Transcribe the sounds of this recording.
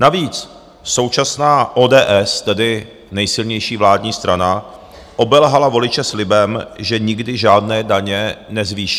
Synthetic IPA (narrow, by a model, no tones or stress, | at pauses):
naviːt͡s | so̞wt͡ʃasnaːʔoːdɛːʔɛst̪ɛdɪ | nɛjsɪlɲɛjʃiːvlaːdɲiːst̪ɾana | ʔo̞bɛlɦalavo̞lɪt͡ʃɛslɪbɛmʒɛɲɪɡdɪʒaːdnɛːdaɲɛnɛzviːʃi